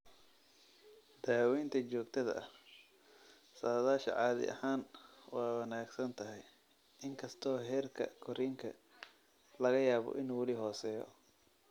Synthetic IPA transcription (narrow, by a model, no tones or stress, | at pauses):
d̪aːwɛːnt̪ʰɐt͡ʃɔːɡt̪ʰɐðɐ̰ʔɐh | saːðaːʃɐ̰ʕɑːðɪ̰ʔɐ̰haːnwɑːwɐnaːɡsɐnt̪ʰɐɦɛj | ʔɪŋkʰɐst̪ʰɔːɦɛːrkʰɐ̰kʰɔɾiːŋkʰɐ | lɐɣɐjaːβɔ̰ʔɪnuːwɐlɪɦɔːsɛːjɔ̰